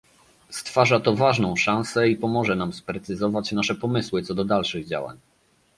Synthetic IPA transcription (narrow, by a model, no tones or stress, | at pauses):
st̪faʐat̪ɔvaʐnɔ̃w̃ʂãñsɛipɔmɔʐɛnamspɾɛt̪sɘzɔvat͡ɕnaʂɛpɔmɘswɘt̪sɔd̪ɔd̪alʂɘɣd͡ʑa̰wa̰ɲ